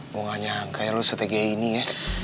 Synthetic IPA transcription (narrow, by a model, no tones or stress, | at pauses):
uŋaɲaaŋkajalosot̪eɡainija